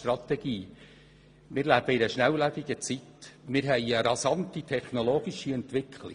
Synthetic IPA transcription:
trɑt̪ɛɡiː | mɪːɾlæːb̥əɪɾəʃnæwlæbɪɡət͡sitmɪːɾɦɛɪəɾɑsɑntitʰɛχnɔloːɡ̥iʃiɛntʋɪkʰlɪ̰

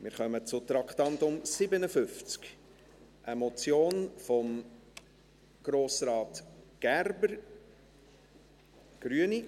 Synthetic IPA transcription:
mɪːɾχœmət͡sʊt̪ɾɑkt̪ɑnt̪ʊmsɪbənəfʏft͡sk | ʔəmɔt͡sjoːnfɔm | ɡ̥ɾoːsɾɑːtɡ̥ærbəɾ | ɡ̥ɾyəni

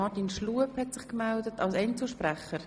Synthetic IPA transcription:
ɑtinʃluəphɛtsɪχkmɛldətɑlsɛnt͡suʃpɾɛχəɾ

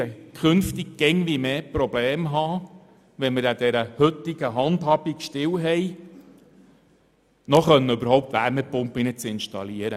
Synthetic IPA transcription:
kʰɵnft̪iɡ̚ɡ̥ɛŋʋimeːpɾɔbleːmɦɑː | ʋɛnmɪɾæd̪ɛɾəhɵt̪ːiɡ̥əɦɑnd̪ɦɑb̥ikʃtɪwɦɛj | nɔχœnːəʉbəɾhɔwp̚t̪ʋæ̰ːɾmɛpʊmpinət͡sɪnʃtɑ̰liəɾə

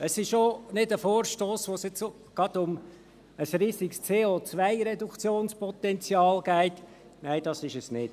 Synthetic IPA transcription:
əsɪʃonɪdəfoːɾʃtoːsʋoːsjɛt͡s | ɡ̥ɑd̥̪ʊm | əsɾiːsikst͡seːot͡sʋæɪɾɛdukʰt͡sjoːnspɔt̪ɛnt͡sjɑːlɡæɪt | næɪd̥ɑsɪʃəsnɪt

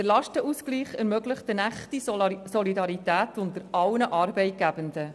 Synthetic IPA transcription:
d̥əlɑʃtəʔusɡliːχɛɾmœɡləχtənæχtisɔlidɑɾitæːtʰʊndəɾʔɑwnəʔɑːɾbɛɪt̚ɡ̥æbəndə

